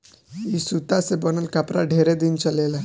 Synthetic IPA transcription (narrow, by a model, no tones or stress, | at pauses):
isut̪asebənəlkapɾa̰ɖʱeɾed̪iːnt͡ɕəlela